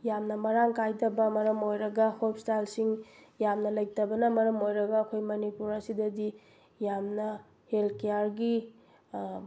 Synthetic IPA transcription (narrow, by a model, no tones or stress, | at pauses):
jamnɐmɐɾaŋkajdɐbɐmɐɾɐmojɾɐɡɐhop̚stalsiŋ | jamnɐlɐj̚tɐbɐnɐmɐɾɐmojɾɐɡɐːkʰojmɐnipuɾɐsidɐdi | jamnɐ | helkejaɾɡi